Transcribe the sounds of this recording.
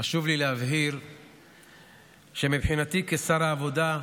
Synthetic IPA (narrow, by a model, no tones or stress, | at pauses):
aʃuvlileɦavɦiʁ | ʃe̞mibħinat̪ikesaɾaːvo̞d̪a